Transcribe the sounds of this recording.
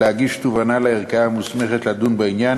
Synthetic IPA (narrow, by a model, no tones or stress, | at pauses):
eaɡiʃt̪uvanaleeʁkaamusme̞χet̪lad̪unbainjan